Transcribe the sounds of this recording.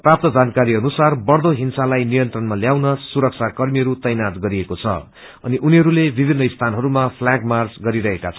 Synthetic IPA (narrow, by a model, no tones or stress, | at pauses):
prap̚t̪ʌd͡zankaɾiʌnusarbʌɽd̪oɦinsalajnijʌnt̪rʌnmaljawnʌsuɾʌk̚sʰakʌrmiɦʌɾut̪ʌjnat̪ɡʌɾiekot͡sʰʌ̰ | ʌ̰niʔuniɦʌɾulebibʱinːʌist̪ʰanɦʌɾumapʰlaɡmard͡zɡʌɾiɾʌɦekat͡sʰʌ